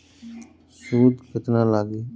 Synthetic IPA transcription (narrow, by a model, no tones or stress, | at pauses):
suːd̪kət̪nãːlaːɡeː